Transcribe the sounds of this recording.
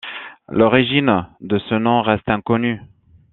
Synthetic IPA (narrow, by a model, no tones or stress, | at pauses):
lɔʁiʒind̪əsənɔ̃ʁɛst̪ɛ̃kɔny